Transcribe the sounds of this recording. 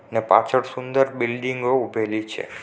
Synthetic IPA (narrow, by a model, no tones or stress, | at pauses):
nepa̰t͡ʃʰəɽsʊnd̪əɾbɪlɖɪ̃ŋɡoʊbʱelit͡ʃʰḛ